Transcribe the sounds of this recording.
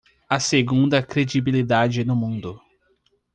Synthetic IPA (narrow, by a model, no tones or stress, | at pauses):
ɐseɡũnd̪ɐkɾed͡ʒibilid̪ad͡ʒɪnʊmũnd̪ʊ